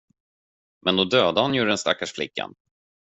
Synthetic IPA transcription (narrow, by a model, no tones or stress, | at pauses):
mʔɛnd̪ɔd̪øːd̪ahanjuɖɛnst̪a̰kːaʂflɪ̰kːa̰n